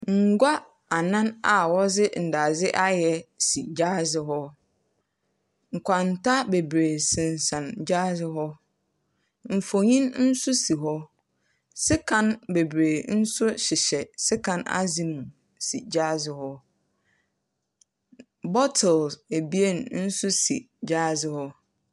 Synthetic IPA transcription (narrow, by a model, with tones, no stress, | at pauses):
ŋ̩˨ɡʷa˦ | a˨nã˦na˨wɔ˦zɪ˦n̩˨da˨zɪ˦ʔa˦jɛ˨si˨d͡ʑaː˦zɪ˨ɦɔ˦ | ŋ̩˨kʰʷa˨n̩˨tʰa˦be˨bɾeː˨sɪ̃˨n˨sã˨nd͡ʑa˦zɪ˨ɦɔ˦ | m̩˨fo˨ɲĩ˦nn̩˦sʊ˦si˨ɦɔ˦ | sɪ˦kʰã˦nbe˨bɾeː˨n̩˦sʊ˦ɕɪ˨ɕɛ˨sɪ˦kʰã˦na̰˦zĩ˨mũ˨ | si˨d͡ʑaː˦zɪ˨hɔ˦ | bɔ˦tʰɛ˨lse˨bi˦e˦˨nn̩˦sʊ˦sḭ˨ | d͡ʑaː˦zɪ˨hɔ˦